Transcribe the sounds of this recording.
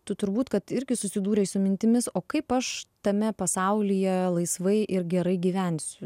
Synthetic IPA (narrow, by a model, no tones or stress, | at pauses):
t̪ʊt̪ʊɾbuːt̪kɐt̪ɪɾʲɡʲɪsʊsʲɪd̪uːɾʲɛɪsʊmʲɪnʲt̪ʲɪmʲɪsoːkɐɪpɐʃt̪ɐmʲɛpɐsɐʊlʲijɛlˠɐɪsʋɐɪʔɪɾɡʲɛɾɐɪɡʲiːʋʲænʲsʲʊ